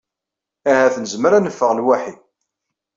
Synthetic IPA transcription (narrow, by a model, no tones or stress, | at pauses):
æhæθnəzməɾænəfːəʁlwæħi